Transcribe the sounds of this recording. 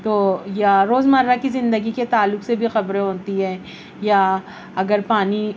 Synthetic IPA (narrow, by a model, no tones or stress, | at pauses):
t̪oːjaɾoːzmɐɾːakizɪ̃nd̪əɡiket̪aːlːʊksebʱixɐbɾẽɦoːt̪iɦɛ̃ː | ja | ɐɡəɾpaːni